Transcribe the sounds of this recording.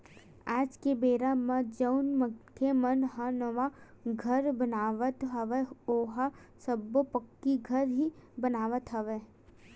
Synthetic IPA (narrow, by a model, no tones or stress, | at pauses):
aːd͡ʒkebeːɾamə̃d͡ʒəʊnməkʰemɐnɦanəʋa | ɡʱɐɾbənaːʋət̪ɦɐʋeoːɦasəbːopəkːiɡʱəɾɦibənaːʋət̪ɦɐʋeː